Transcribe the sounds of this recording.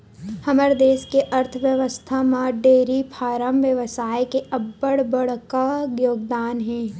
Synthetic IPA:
hɐməɾd̪eːʃkeʔɐɾt̪ʰəʋjəʋəst̪ʰamãɖeːɾipʰaːɾəmʋjəʋsaːjkeʔɐbːəɽbəɽkaɡjoːɡd̪aːnɦɛ̃ː

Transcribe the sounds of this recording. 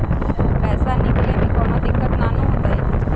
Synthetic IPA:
pɛːsanɪklebĩːkoːnõd̪ɪkːət̪naːnõɦõːnd̪aeː

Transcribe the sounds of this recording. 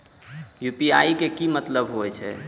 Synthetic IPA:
jupiaikekimət̪ləbɦoɛt͡ʃʰɛ̰

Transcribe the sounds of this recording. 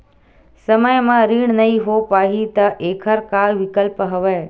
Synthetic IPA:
səməjmãɾiːɳ̃nɐɦiɦopaːɦit̪ɐʔeːkʰəɾkaːlʋɪkəlpɦɐʋeː

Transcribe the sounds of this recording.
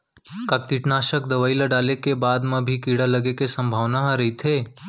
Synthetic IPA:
kak̚t̪iʈnaːʃək̚d̪ɐʋaːilaɖaːlekebaːd̪mẽbʱikiːɽalɐɡekesə̃mbʱaːʋnaɦɾɐɦit̪ʰeː

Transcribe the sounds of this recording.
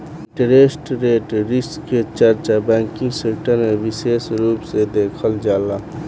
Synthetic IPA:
ʈɾesʈɾeːʈɾiskːet͡ʃəɾt͡ʃabɛ̃ŋkĩŋɡsekʈəɾmeʋisesɾupsed̪ekʰəld͡ʒala

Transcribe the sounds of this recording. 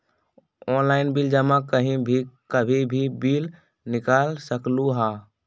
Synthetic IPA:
ɔːnlaɪnbild͡ʒəmakəɦĩbʱikəbʱibʱibiːl | nɪkaːlsəkluɦaː

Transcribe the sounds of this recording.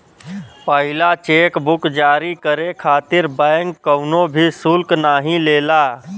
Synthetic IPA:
pəɦɪlat͡ʃeːkbʊkd͡ʒaːɾikəɾekʰaːt̪ɪɾbəːŋkːəʊnõbʱisʊlknaːɦĩleːlaː

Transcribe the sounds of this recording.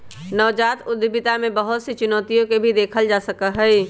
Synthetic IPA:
nɔːd͡ʒaːt̪ʊd̪bɪt̪amẽbəɦʊt̪set͡ʃʊnɔːt̪ijõkebʱid̪eːkʰəld͡ʒaːsəkəɦɛ

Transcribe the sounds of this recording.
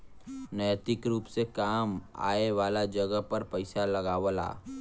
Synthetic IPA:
nəjt̪ɪkɾuːpsekaːma̰ːeʋaːlad͡ʒɐɡəɦpɐɾpɐɪsalɐɡaːʋəla̰ː

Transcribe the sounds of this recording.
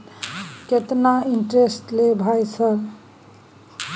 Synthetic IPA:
ket̪naiɳʈɾesʈlebʱajsəɾ

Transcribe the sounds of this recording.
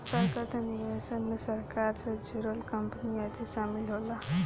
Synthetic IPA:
st̪ʰakət̪ʰaniʋesənmesəɾkaɾt͡sad͡ʒuɾəlkəmpənijat̪ʰisamilɦola

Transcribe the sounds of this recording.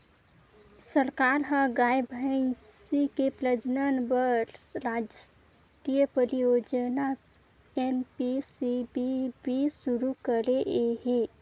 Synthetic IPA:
səɾkaɾɦə̃ɡajebʱəɪn | sikepləd͡ʒnənbəɾɾsɾad͡ʒə | t̪ijəpəɾijod͡ʒəna | enpisibibisuɾukəɾeʔeɦe

